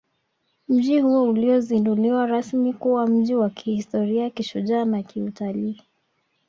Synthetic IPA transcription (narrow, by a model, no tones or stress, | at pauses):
m̩ʄihuɔuliɔzinduliwaɾasmikuwam̩ʄiwakihistɔɾiakiʃuʄaːnakiutaliː